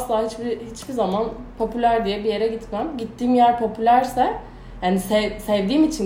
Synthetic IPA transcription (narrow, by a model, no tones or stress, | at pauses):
slˠaːɦit͡ʃbihit͡ʃbizaman | pʰo̞pʰylʲæɾd̪ijɛbije̞ɾɛɟit̪mæmɟit̪ʰːiːmjæɾpʰo̞pylʲæɾsɛ | hanisɛsɛvd̪iːmit͡ʃʰin